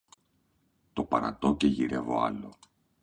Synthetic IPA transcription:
t̪o̞pɐɾɐ̰t̪o̞ce̞ʝiɾe̞vo̞̰ɐ̰lo̞̰

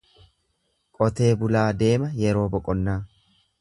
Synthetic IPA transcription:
kʼɔt̪e̞ːbʊlaːd̪e̞ːmɐjɛɾo̞ːbɔkʼɔnːaː

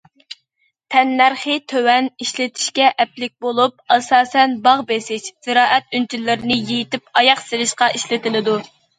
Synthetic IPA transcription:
t̪ʰɛnːæɾχɨt̪ʰøwɛniʃlɪt̪ʰɪ̥ʃkʲɛʔɛplɪk̚ʲbolˠup̚ɑsɑːsɛnbɑʁbesɪʃz̥ɪɾɑːʔɛt̪̚ynt͡ʃʰilːɪɾɪnɪjejit̪ɪpɑjɑqselɪʃqɑʔiʃlɪt̪ɪlɪd̪u

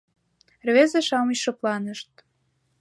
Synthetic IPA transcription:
rβezeʃɑməɕʃɤ̆plɑnəʃt̪̚

